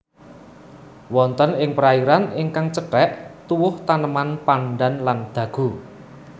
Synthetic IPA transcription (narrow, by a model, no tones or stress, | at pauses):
wɔnt̪ənɪŋpəɾaiɾanɪŋkaŋt͡ʃəʈɛʔt̪uwʊht̪anəmanpaɳɖanland̪̥ä̤ɡ̥ṳ